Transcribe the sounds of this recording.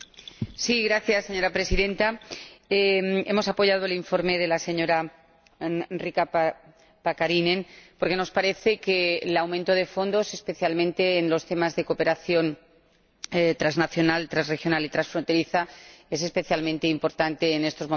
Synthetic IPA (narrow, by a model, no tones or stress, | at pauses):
siɣɾaθjasːeɲo̞ɾapɾe̞siðẽ̞nt̪aeme̞mo̞sapo̞ʝað̞oeliɱfo̞ɾme̞ðe̞lase̞ɲo̞ɾa | rika | pakaɾinẽ̞npo̞ɾke̞no̞spaɾe̞θe̞kelawmẽnt̪o̞ð̞e̞fo̞nd̪o̞se̞spe̞θjalmẽ̞nt̪e̞ːnlo̞st̪e̞mazðe̞ko̞pe̞ɾaθjo̞n | et̪ɾaznaθjo̞nalt̪ɾazre̞xjo̞nalit̪ɾansfɾo̞nt̪e̞ɾiθae̞se̞spe̞θjalmẽnt̪eimpo̞ɾt̪ant̪e̞ːne̞st̪o̞zmo